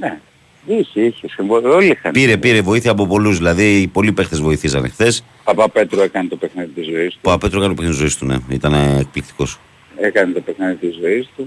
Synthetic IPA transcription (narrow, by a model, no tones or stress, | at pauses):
ne | içeiçesiɱvoolixɐpiɾe̞piɾe̞vo̞iθiɐːp̬o̞po̞luzðilɐðipo̞lipe̞xt̪ezvo̞iθisɐnḛxθe̞s | pɐpɐpe̞t̪ɾoekɐnet̪o̞pexniðit̪izo̞ist̪upɐpe̞t̪ɾokɐnt̪opnit̪izo̞ist̪unḛit̪ɐneːk̚plikt̪i̥ko̞s | ekɐnet̪o̞pexniðit̪izo̞ist̪u